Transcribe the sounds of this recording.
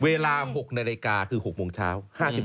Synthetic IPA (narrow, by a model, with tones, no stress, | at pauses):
weː˧laː˧ho˨˩k̚naː˧leː˧kaː˧kʰɯː˧˩ho˨˩k̚moː˧ŋt͡ɕʰa̰ː˦˥whaː˥˩si˨˩p̚